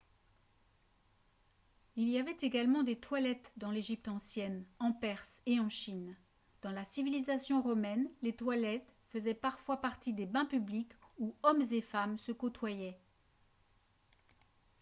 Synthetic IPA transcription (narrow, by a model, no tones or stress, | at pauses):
ilijavɛt̪eɡalmɑ̃d̪et̪walɛt̪d̪ɑ̃leʒip̚t̪ɑ̃sjɛnɑ̃pɛʁseɑ̃ʃin | d̪̥ɑ̃lasivilizasjɔ̃ʁɔmɛnlet̪walɛt̪fəzɛpaʁfwapaʁt̪id̪ebɛ̃pyblikuɔmzefamsəkɔt̪wajɛ